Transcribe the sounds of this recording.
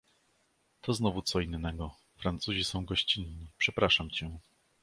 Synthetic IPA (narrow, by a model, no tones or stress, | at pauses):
t̪ʰɔznɔvut̪sɔinːɛɡɔ | fɾant̪suʑisɔ̃w̃ɡɔɕt͡ɕinːipʂɛpɾaʂamt͡ɕɛ